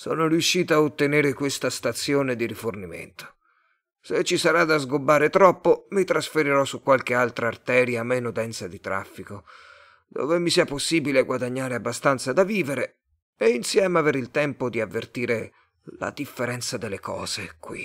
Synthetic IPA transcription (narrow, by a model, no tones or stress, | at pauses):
sɔ̰ːnorjuʃːiːt̪aaot̪ːeneːɾekwest̪ast̪at̪sjoːned̪iɾifornimḛnt̪o̥ | set͡ʃːisaɾad̪azɡobːaːɾet̪ɾɔpːomit̪ɾasfeɾiɾɔsukːwalk̟ealt̪ɾaːrt̪ɛːɾjamenod̪ɛnt̪sad̪it̪ɾa̰fːiko | d̪o̰ːvemisiːaposːiːbileaɡwad̪aɲːaːɾeabːast̪ant̪sad̪aviːveɾe | einsjɛːmeaveːɾilt̪ɛmpod̪iavːert̪iːɾe | la̰d̪ifːeɾɛnt̪sad̪elːekɔ̰ːz̥ekwḭ